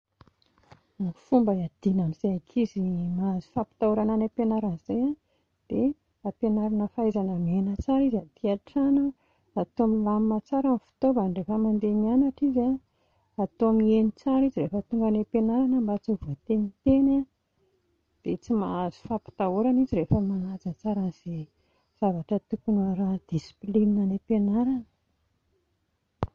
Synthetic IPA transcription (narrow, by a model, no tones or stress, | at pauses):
anfumbəad̪̥inaniz̥eakʰizimaazi̥fapi̥t̪auɾananapenaɾaniz̥ejã | d̪̥e | apenaɾanəfajzanəmienət͡saɾizad̪iaʈ͡ʂanə | at̪oamilamimat͡saɾanifi̥t̪obaɳɖ͡ʐefəmand̪emianaʈ͡ʂiza | at̪oamienit͡saɾiziɾefət̪uŋɡanepenaɾanəmbat͡suvat̪enit̪ena | d̪̥et͡simaazi̥fapi̥t̪aoɾaniziɾefəmanad͡zat͡saɾanz̥e | z̥avaʈ͡ʂət̪ukunaɾad̪̥isi̥plininanepenaɾanə̥